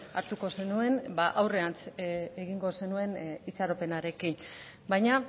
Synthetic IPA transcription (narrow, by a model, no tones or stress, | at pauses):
aɾt̪uko̞se̞nue̞nbaʔawre̞ant͡seɣiŋɡo̞se̞nue̞nit͡ʃaɾo̞pe̞naɾe̞kin | bajɲa